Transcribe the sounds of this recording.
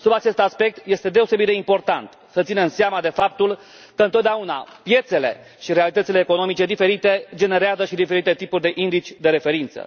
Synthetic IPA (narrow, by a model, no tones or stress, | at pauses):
subat͡ʃe̞st̪aspe̞k̚t̪je̞st̪e̞d̪e̞o̞se̞bit̪d̪eimpo̞rt̪ant̪ | sət̪sinemseamad̪e̞fap̚t̪ul | kəɨnt̪ot̪d̪eauna̰pje̞t̪se̞le̞̰ | ʃiɾealit̪ət̪sile̞ːko̞no̞mit͡ʃe̞d̪ife̞ɾit̪e̞d͡ʒe̞ne̞ɾeazəʃid̪ife̞ɾit̪e̞t̪ipurʲd̪e̞ʔind̪it͡ʃʲd̪e̞ɾe̞fe̞ɾint̪sə̰